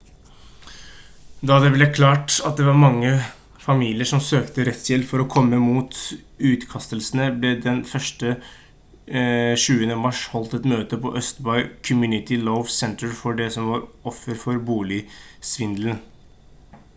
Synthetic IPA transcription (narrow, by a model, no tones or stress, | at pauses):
d̪ɑd̪ɛblɛkʰlɑːʈɑt̪̚d̪ɛʋɑɾmɑŋːə | fɑmiːlɪəʂɔmsøːkt̪əɾɛt̪sjɛlːfɔɾɔkʰɔmːəmuːt̪ | ʉːt̪kʰɑst̪əlsənəblɛd̪ɛnfœʂʈə | ʃʉːənəmɑʂhɔlt̪ɛt̪møːt̪əpʰɔ̰ʔœst̪bɑʏkʰɔmjʉːnɪt̪ɪlɔʊʋsɛnt̪əɹfɔɖɛsɔmʋɑɾɔfːəɾfɔɾbuːlɪsʋɪnd̪ln